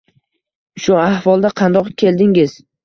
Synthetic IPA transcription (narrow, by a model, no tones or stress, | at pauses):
ʃʊahvɒlˠd̪aqʰɑnd̪ɒqkʲʰe̞ld̪ɪŋɪz̥